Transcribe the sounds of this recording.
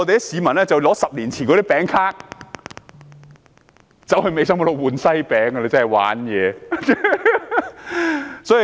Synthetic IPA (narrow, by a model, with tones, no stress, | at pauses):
ɔ˧t̪e˨˧jksiː˨˧˥mɐ˨˩nlɛː˥t͡sɐ˨wlɔː˨˥sɐ˨p̚liː˨˩nt͡sʰiː˨˩nkɔː˧ɾiː˥pɛː˨˥ŋkʰaː˥k̚ | t͡sɐ˨˥whɵ˧jme˨˧jsɐ˥mɔ˧˥lo˨˧wuː˨˩nsɐ˥jpɛː˨˥ŋːɐ˧le˨˧t͡sɐ˥hɐ˨˩jwa̰ː˨˥njɛː˨˧ | sɔː˨˥i˨